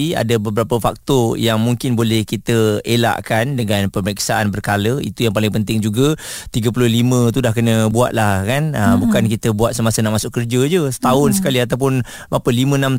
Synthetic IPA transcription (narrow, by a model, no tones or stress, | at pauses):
a̰dabəbəɾapəfak̚t̪ɔjaŋmuŋkɪnbolɛhkit̪əela̰ʔkandəŋanpəməɾiksaʔanbərkaləḭt̪ujaŋpalɪŋpənt̪ɪŋd͡ʒuɡət̪iɡəpulʊhlimə̃t̪̬udahkənə̃buat̪̚lahkanəbukankit̪əbuat̪̚səmasənaʔmasʊʔkərd͡ʒəd͡ʒəsə̥t̪aʊnsə̥kaliat̪awp̬ʊn | bapəlimə̃nãm